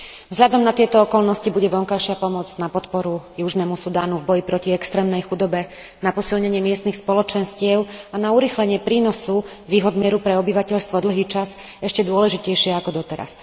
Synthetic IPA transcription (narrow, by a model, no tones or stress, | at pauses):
vzɦʎad̪ɔmnat̪ɪɛt̪ɔɔkɔlnɔscibuɟɛʋɔŋkajʃɪapɔmɔd͡znapɔt̪pɔɾujuʒnɛmusud̪aːnuvbɔjipɾɔciɛkst̪ɾɛːmnɛjxud̪ɔbɛ | napɔsilɲɛɲɪɛmɪɛst̪nixspɔlɔt͡ʃɛnscɪɛʊanauɾiːxlɛɲɪɛpɾiːnɔsu | ʋiːɦɔd̪mɪɛɾupɾɛɔbiʋacɛʎst̪ʋɔd̪l̩ɦiːt͡ʃas | ɛʃcɛd̪ʊɔlɛʒicɛjʃɪɛakɔd̪ɔt̪ɛɾa̰s